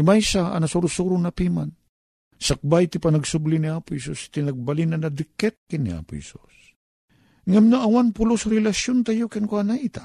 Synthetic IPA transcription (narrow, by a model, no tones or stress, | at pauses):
ɪmajsaa̰nasuɾʊsuɾʊnapiman | sak̚bajt̪ɪpanaɡsʊblɪniaːpʊhɛsust̪ɪnɐɡ̚balinanad̪ɪkɛt̪̚kɪnːɪʔa̰pʊhɛ̰sṵs | ŋamnaʔawanpʊlʊsɾɛlasjont̪ajokɪnkwanaʔit̪ḁ